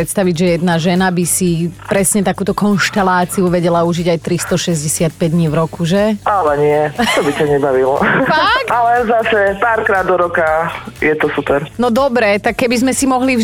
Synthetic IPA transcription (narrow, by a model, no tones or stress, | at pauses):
ɾɛt̪st̪aʋiɟʒɛjɛd̪naʒɛnabisipɾɛsɲɛt̪akuːt̪ɔkɔnʃt̪ɛlaːt͡siuʋɛɟɛlauʒiɟajt̪ɾist̪ɔʃɛzɟɛsɪat̪̚pɛɟd̪ɲiːvɾɔkuʒɛʔalɛɲɪɛt̪ɔbicaɲɛbaʋilɔ̰fkalɛzasɛpaːɾkɾaːd̪ːɔɾɔkajɛt̪ɔsupɛɾnɔd̪ɔbɾɛt̪akːɛbizmɛsimɔɦli